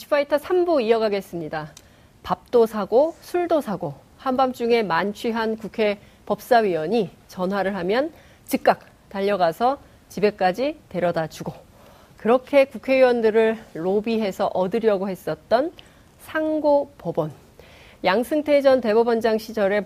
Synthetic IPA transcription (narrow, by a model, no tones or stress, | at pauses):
i̥pʰaitʰʌsʰambuiʌɡaɡe̞s͈ɯmɲida | pap̚t͈osʰaɡosʰuɭdosʰaɡo | hambamt͡ɕ͈uŋe̞mant͡ɕʰɥiɦankukʰe̞ | pʌp̚s͈awɥiwʌɲi | t͡ɕʌnɦwaɾɯɭɦamjʌn | t͡ɕik̚k͈ak̚ | taʎːʌɡasʰʌ | t͡ɕibe̞k͈ad͡ʑite̞ɾjʌdad͡ʑʰuɡo | kɯɾʌkʰe̞kukʰe̞ɥiwʌndɯɾɯɭːobiɦe̞sʰʌʔʌdɯɾjʌɡohe̞s͈ʌt̚t͈ʌn | sʰaŋɡopʌbʌn | jaŋsʰɯŋtʰe̞d͡ʑʌnte̞bʌbʌnd͡ʑaŋɕʰid͡ʑʌɾe̞